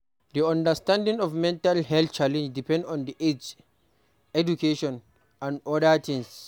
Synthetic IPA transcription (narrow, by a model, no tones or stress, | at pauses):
diɔ̃ndəstãndĩŋɔvmɛ̃ntalɦɛltt͡ʃalɛ̃nd͡ʒdipʰɛ̃ndɔ̃ndiʔed͡ʒ | ɛd͡ʒukʰeʃɔ̃n | ãnɔdatʰĩŋs